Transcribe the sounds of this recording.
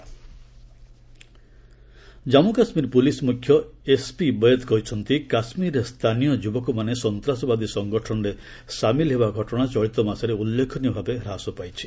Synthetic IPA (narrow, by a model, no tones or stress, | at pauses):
d͡ʒamukasmiɾpulismukʰjɔespibɔd̪kɔɦit͡ʃʰɔnt̪ikasmiɾest̪ʰanijɔd͡ʒubɔkumanesɔnt̪ɾasɔbad̪isɔŋɡɔʈʰɔnɔɾe | samilɦebaɡʱɔʈɔɽ̃at͡ʃɔɭit̪ɔmasɔɾeulːekʰɔnibʱabeɾasɔpajt͡ʃʰi̥